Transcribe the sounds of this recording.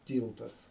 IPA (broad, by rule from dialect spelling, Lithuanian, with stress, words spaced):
ˈtʲiːlˠtɐs